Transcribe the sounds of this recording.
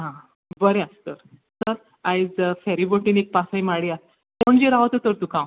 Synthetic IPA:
ɦã | bəɾẽast̪əɾ | səɾ | ajd͡zfɛɾiboʈinek̚pasajmaɽias | koɳd͡ʑiɾaʋt̪ət̪əɾt̪ũkãw

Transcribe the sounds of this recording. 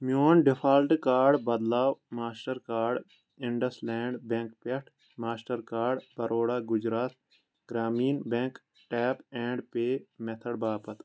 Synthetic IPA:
mjoːnɖɪpʰaːlʈkaːɾɖbɐd̪laːwmaːsʈəɾkaːɾɖ | ɪɳɖəslẽːɳɖbẽŋkpeʈʰ | maːsʈəɾkaːɾɖbɐɾʔoːɽaːɡʊd͡ʒɾaːt̪ | ɡ̥ɾaːmiːnbẽŋk | ʈɛːpɛ̃ːɳɖpeːmet̪ʰəɽbaːpət̪

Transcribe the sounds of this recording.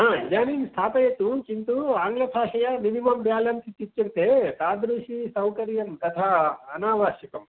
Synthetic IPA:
ɦaːd͡ʒaːniːnst̪ʰaːpɐjɐt̪ːut͡ʃint̪uaːŋɡlɐp̪ʰaːʂɐjɐninimɐmbjaːlɐmt̪it̪it͡ʃːɐɾt̪eːt̪aːd̪ɾuːʂisɐwkɐɾjɐmt̪ɐt̪ʰaɐnaːʋaːʃjɐkɐm

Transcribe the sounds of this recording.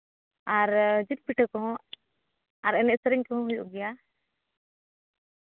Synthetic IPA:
aɾd͡ʒit̪̚piʈʰəkɔɦɔ̃ | aɾɛnɛʔ̚səɾɛŋkɔɦɔ̃ɦujṵʔɡɛja

